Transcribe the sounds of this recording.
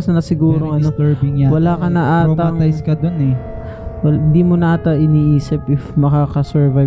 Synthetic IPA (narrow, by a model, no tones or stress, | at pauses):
snɐsɪɡuːɾoŋʔɐnoɛɹɪŋjawɐlaːkɐnɐʔaːt̪ɐŋajskɐd̪onɛ | wɐhɪnd̪iːmonɐʔaːt̪ɐʔɪniːʔiːsɪpʔɪfmɐkaːkɐsɛɹvaj